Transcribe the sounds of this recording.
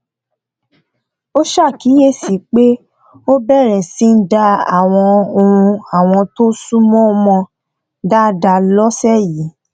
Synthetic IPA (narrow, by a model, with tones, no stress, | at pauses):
o˦ʃa˦˨ki˨˦je˦˨si˨˦k͡pe˦ | o˦bɛ˦˨ɾ̃ɛ̃˨sĩ˨˦n̩˦da˧a̰˨w̃ɔ̃˧o˧ũ˧a˨w̃ɔ̃˧to˦su˦mɔ̃˦˧mɔ̃˧ | da˦da˧lɔ˦sɛ˦˨ji˨˦